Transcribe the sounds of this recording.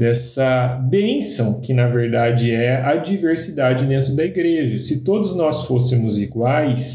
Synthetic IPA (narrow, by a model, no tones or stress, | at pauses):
d̪ɛsɐbẽsɐ̃w̃kɪnɐveɾd̪ad͡ʒɪɛɐd͡ʒiveɾsid̪ad͡ʒɪd̪ẽnt̪ɾʊd̪ɐiɡɾeʒɐsɪt̪od̪ʊznɔsfosɪmʊziɡwajs